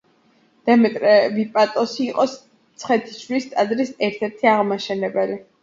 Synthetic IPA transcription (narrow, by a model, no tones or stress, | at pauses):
d̪̥ɛmɛt̪ʼɾɛbipʼat̪ʼɔsiːqʼɔs | t̪sʰχɛt̪ʰi̥ʃwlist̪ʼad̪ɾisɛɾt̪ʰɛɾt̪ʰiaʁmaʃɛnɛbɛli